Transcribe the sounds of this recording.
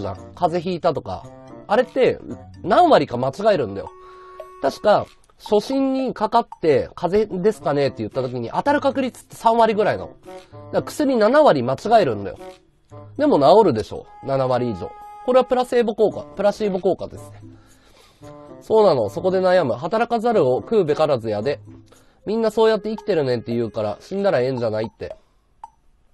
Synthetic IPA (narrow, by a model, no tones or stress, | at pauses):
ʑã̰ŋkaze̞çiːt̪at̪o̞ka̰ːɾe̞t̪ːe̞nãɰ̃βaɾʲikamat͡ɕiɡaeɾɯ̟̃nd̪a̰jo̰t̪aɕi̥ka | ɕo̞ɕĩɲ̟ːikakat̪ːe̞kʰaze̞d̪e̞sɨ̥kane̞t̪ːe̞jɯ̟t̪ːat̪o̞kʲiɲ̟ḭʔat̪aɾɯ̟kakɯ̟ɾʲit͡sɨ̥t̪ːe̞̥sãɰ̃βaɾʲiɡɯ̟ɾaino̰od̪akɯ̟̥sɨɾʲinanaβaɾʲimat͡ɕiɡaeɾɯ̟̃nd̪a̰jo̰ | d̪e̞mo̞naoɾɯ̟d̪e̞ɕo̞̰ːnanaβaɾʲiːʑo̞̰ːko̞ɾe̞βapɯ̟ɾase̞ːboko̞ːka̰pɯ̟ɾaɕiːboko̞ːkad̪e̞sɨ̥ne̞̥ | so̞ːnano̞so̞ko̞d̪e̞najamɯ̟ɦat̪aɾakazaɾɯ̟o̞kɯ̟ːbe̞kaɾazɨjad̪e̞ | mʲĩnːaso̞ːjat̪ːe̞ikʲi̥t̪e̞ɾɯ̟nẽ̞nt̪ːejɯ̟ːkaɾa̰ɕĩnd̪aɾaẽ̞ɲ̟d͡ʑanait̪ːe̞̰